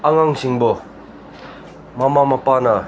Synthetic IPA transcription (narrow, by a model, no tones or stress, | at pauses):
aŋaŋsiŋbo | mamamapana